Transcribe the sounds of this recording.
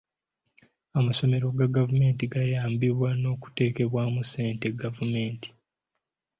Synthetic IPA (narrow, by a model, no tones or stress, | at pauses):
amaso̞me̞ɾo̞ɡaɡavume̞ːntiɡajaːmbiβwano̞ːku̥te̞ːke̞βwaːmuse̞ːnte̞ɡavume̞ːnti̥